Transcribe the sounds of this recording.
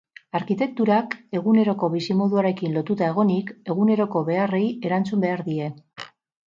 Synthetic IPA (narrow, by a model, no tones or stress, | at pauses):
aɾkit̪e̞k̚t̪uɾake̞ɣune̞ɾo̞ko̞βisimo̞ðuaɾe̞kinlo̞t̪ut̪ae̞ɣ̞o̞nike̞ɣune̞ɾo̞ko̞βe̞are̞je̞ɾant͡sumbe̞aɾðie̞